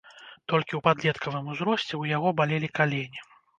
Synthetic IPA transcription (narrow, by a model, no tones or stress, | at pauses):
t̪ɔlʲkʲiupad̪lʲɛt̪kʰɐvɨmuzɾɔsʲt͡sʲɛwjaɣɔbalʲelʲikalʲenʲi